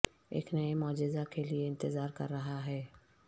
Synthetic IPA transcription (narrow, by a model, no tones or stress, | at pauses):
ḛːknɐemɔːd͡ʒɪzakelieɪ̃nt̪ɪzaːɾkɐɾːɐɦaɦɛː